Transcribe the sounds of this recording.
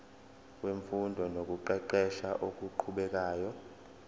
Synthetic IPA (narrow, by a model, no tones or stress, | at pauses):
k̬ʼweɱfundʱɔnok̬ʼuǃɛǃɛʃaʔok̬ʼuǃʰuɓɛk̬aːjɔ